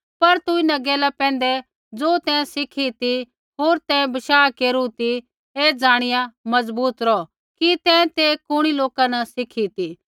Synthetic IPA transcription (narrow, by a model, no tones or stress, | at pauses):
pɐɾt̪uɪnãɡɛːlapɛ̃ːn̆d̪ɛ | d͡zoːt̪ɛ̃ːsɪkʰit̪i | ɦoːɾt̪ɛ̃ːbɐʃaːkeːɾut̪i | ed͡zaːɽ̃ɪjãmɐzbuːt̪ɾɔ | kit̪ɛ̃ːt̪ekʊɽ̃iloːkanɐsɪkʰit̪iː